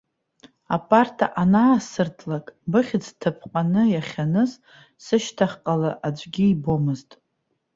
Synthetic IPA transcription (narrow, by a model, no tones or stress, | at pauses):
a̰pʼartʰa̰ʔanaːsɨrtʰlakʼbɨχʲɪd͡ztʰapʰqʼanɨjaχʲanɨz | sɨʃtʰaχʲqʼalaʔad͡ʒʷʼɡʲiːbo̞mɨztʼ